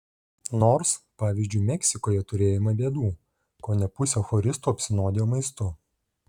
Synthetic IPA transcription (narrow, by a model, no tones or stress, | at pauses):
noːɾspɑːʋʲizʲd͡ʒʲʊɪmʲɛksʲɪkoːjɛt̪ʊɾʲeːjɪmɐbʲeːd̪uː | koːnʲɛpʊsʲɛːxɔɾʲɪst̪uːɐpʲsʲɪnoːd̪ʲejoːmɐɪst̪ʊ